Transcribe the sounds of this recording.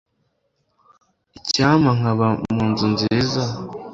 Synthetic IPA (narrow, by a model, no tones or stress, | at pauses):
icaːmaŋ̥aβamuːnzunziːza